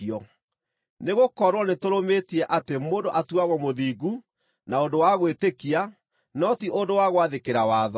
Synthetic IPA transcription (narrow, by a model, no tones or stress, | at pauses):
ɔ | neɣokɔɾwɔnetoɾometiɛʔatemoːndoʔatuaɣɔmoðiːɡu | naondowaɣwetekia | nɔtiʔondowaɣwaðekeɾawaːðɔ